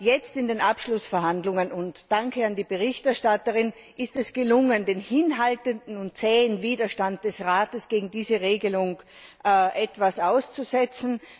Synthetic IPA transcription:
jɛt͡stɪndeːnʔapʃlʊsfɛɐɦandlʊŋənʊntd̥aŋkʰəandiːbəʁ̞ɪçtɛɐʃtatəʁɪn | ʔɪstɛsɡ̥əlʊŋəndeːnhɪnɦaltəndn̩ʊnt̚t͡sɛːnviːdɐʃtant̚d̥ɛsʁaːtəsɡ̥eːɡŋ̩diːzəʁeːɡəlʊŋ | ʔʔɛtv̥asaʊst͡suzɛt͡sn̩

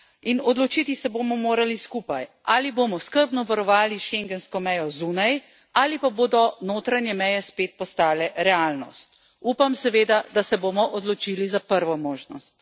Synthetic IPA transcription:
inɔd̪lɔt͡ʃit̪isɛboːmɔmoːɾaliskuːpajʔaːliboːmɔskəɾbnɔʋaɾɔʋaːliʃeŋɡɛnskɔmɛjɔzuːnaj | aːlipaboːd̪ɔnoːt̪ɾanjɛmɛjɛspeːt̪̚pɔst̪aːlɛɾɛaːlnɔ̰st̪̚ | uːpamsɛʋeːd̪ad̪asɛboːmɔʔɔd̪lɔt͡ʃilizapəɾʋɔmoːʒnɔst̪

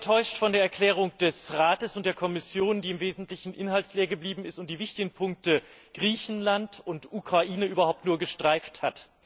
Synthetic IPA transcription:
tʰɔʏʃtfɔndeːɐɛɐkl̥ɛːʁ̞ʊŋd̥ɛsʁaːtəsʊnt̚d̥eːɐkʰɔmɪsjoːndiːɪmveːzn̩tlɪçn̩ʔɪnhaltsleːɐɡəbliːbm̩ɪstʊnt̚d̥iːvɪçtɪɡn̩pʰʊŋk̚təɡ̥ʁiːçn̩lantʊntʔukʁ̥aʔiːnəʔyːbɐhaʊp̚tnuːɐɡəʃtʁ̥aɪfthat

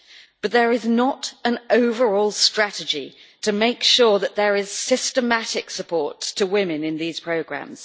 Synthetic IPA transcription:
b̥ʌt̪̚ðəɹɪznətə̃nəʊvəɹɔːlˠstɹ̥atɪd͡ʒḭtʰəmeɪkʃɔːðəʔðəɹɪz̥sɪstəmatɪksəpʰɔˑɹtʰəwɪ̃mɪ̃nɪ̃nðiːz̥pʰɹ̥əʊɡɹã̰mz̥

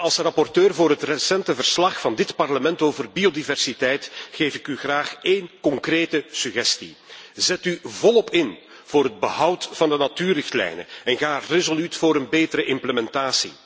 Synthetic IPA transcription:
ɑlˠsrɑpɔrtøːrvoːɾɦətrəsɛntəvərslɑxfɑndɪtpɑrləmɛntoːvərbiodivɛrsitɛjtxeːfɪkyɣraːxeːnkɔŋkreːtəsyɣɛstḭzɛtyvɔlˠɔpɪn | v̥oːɾɦəd̚bəɦʌwtfɑndənatyːrɪxtlɛ̰jnə̰ɛnɣaːrezolytfoːɾənbeːtəɾəʔɪmpləmɛntaːsḭ

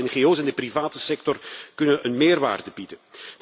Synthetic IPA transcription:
ɛnɣeoːsɛndəprivaːtəsɛk̚tɔrkɵnənənmeːrʋa̰ːrdəbidənd̥

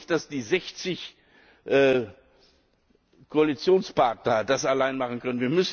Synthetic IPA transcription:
d̥asd̥iːzɛçt͡sɪç | ʔɛ | kʰoalit͡sjoːnspaɐtnɐd̥asalaɪnmaχən̩kʰœnənviːɐmʏs

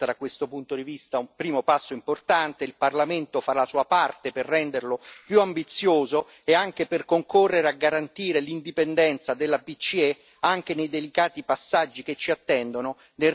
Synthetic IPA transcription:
ad̪akwest̪opunt̪od̪ivist̪aumpɾiːmopasːoimport̪ant̪eilparlament̪ofaɾaasuapart̪eperːɛnd̪erlopjuambit̪sːjoːzo | eaŋk̟eperkoŋkorːeɾeaɡːaɾant̪iːɾelind̪ipend̪ɛnt̪sad̪elːapit͡ʃːie | aŋk̟enejd̪elikaːt̪ipasːad͡ʒːik̟et͡ʃːiat̪ːɛnd̪ono | ne

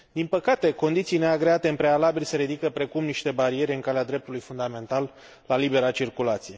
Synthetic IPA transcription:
d̪inpəkat̪e̞ko̞nd̪it̪sijne̞aɡɾe̞at̪e̞ɨmpɾe̞alabilʲseɾid̪ikəpɾe̞kumniʃt̪e̞baɾie̞ɾʲɨŋkalead̪ɾe̞p̚t̪ulujfund̪ame̞nt̪alː | alibe̞ɾat͡ʃirkulat̪sije̞

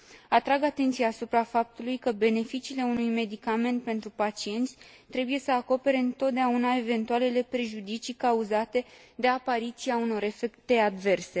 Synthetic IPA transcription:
at̪ɾaɡat̪e̞nt̪sijaːsupɾafap̚t̪ulujkəbe̞ne̞fit͡ʃiːle̞unujme̞d̪ikame̞nt̪̚pe̞nt̪ɾupat͡ʃie̞nt̪sʲ | t̪ɾe̞buje̞səako̞pe̞ɾe̞ɨnt̪o̞t̪̚d̪eaunae̞ve̞nt̪uale̞le̞pɾe̞ʒud̪it͡ʃikauzat̪e̞d̪e̞apaɾit̪siauno̞ɾe̞fe̞kt̪e̞ad̪ve̞rse̞

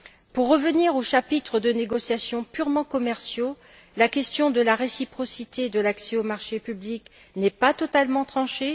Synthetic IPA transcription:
puʁːəvəniʁoʃapit̪χəd̪əneɡɔsjasjɔ̃pyʁmɑ̃kɔmɛʁsjo | lakʲɛst̪jɔ̃d̪əlaʁesipχɔsit̪ed̪əlaksɛomaʁʃepyblik | nɛpat̪ɔt̪almɑ̃t̪χɑ̃ʃe

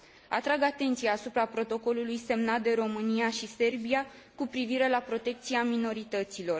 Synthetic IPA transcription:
a̰t̪ɾaɡat̪e̞nt̪sijaːsupɾapɾo̞t̪o̞ko̞lulujse̞mnat̪̚d̪e̞ɾo̞mɨniaʃise̞rbia | kupɾiviɾe̞lapɾo̞t̪e̞k̚t̪siamino̞ɾit̪ət̪silo̞r

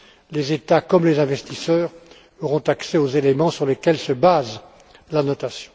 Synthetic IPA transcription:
lezet̪akɔmlezɛ̃vɛst̪isœːʁ | ɔʁɔ̃t̪aksɛozelemɑ̃syʁlekʲɛlsəbaz | lanɔt̪asjɔ̃

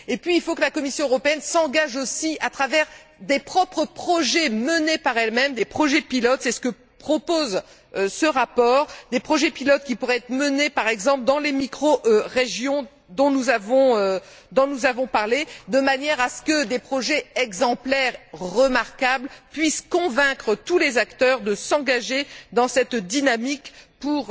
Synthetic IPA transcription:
epɥiːlfokəlakɔmisjɔ̃øʁɔpeɛnsɑ̃ɡaʒosiat̪χavɛʁd̪epχɔpχəpχɔʒɛmənepaʁɛlmɛmd̪epχɔʒɛpilɔt̪sɛsə̥kə | pχɔpoz | səʁapɔːʁd̪epχɔʒɛpilɔt̪̚kʲipuʁɛɛt̪χmənepaʁɛɡzɑ̃pld̪ɑ̃lemikχoʔøʁeʒjɔ̃ | d̪ɔ̃nuzavɔ̃ø | d̪ɔ̃nuzavɔ̃paʁled̪əmanjɛʁasə̥kəd̪epχɔʒɛɛɡzɑ̃plɛʁʁəmaʁkablpɥiskɔ̃vɛ̃kχət̪ulezakt̪œʁd̪əsɑ̃ɡaʒed̪ɑ̃sɛt̪d̪inamikpuʁ

